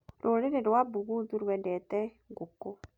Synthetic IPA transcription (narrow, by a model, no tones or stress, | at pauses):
ɾʔoɾeɾeɾwabuɣuðuɾwɛndɛtɛ | ɡuko